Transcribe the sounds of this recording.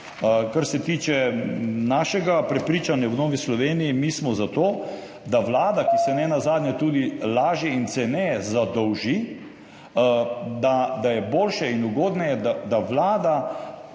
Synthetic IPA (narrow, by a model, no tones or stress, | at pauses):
kaɾsɛt̪iːt͡ʃɛnaːʃɛɡapɾɛpɾiːt͡ʃanjawnoːʋislɔʋeːnijimiːsmɔzat̪oː | d̪aʋlaːd̪akisɛnɛnazaːd̪nɲjat̪uːd̪ilaːʒjɛint̪sɛnɛɛzad̪ɔwʒi | d̪ad̪ajɛboːlʃɛinuɡoːd̪najɛd̪ad̪aʋlaːd̪a